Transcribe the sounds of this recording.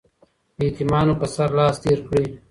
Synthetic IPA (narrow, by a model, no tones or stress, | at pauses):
iːt̪imaːnopɐsɐɾlaːst̪eːɾkɽiː